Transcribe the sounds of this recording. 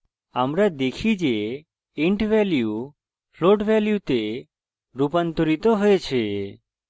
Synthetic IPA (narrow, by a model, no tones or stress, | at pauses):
amɾad̪ekʰid͡ʒe | iɳʈʋɛlju | fʰloɖʋɛljut̪e | ɾupant̪ɔɾit̪ɔɦɔjet͡ʃʰe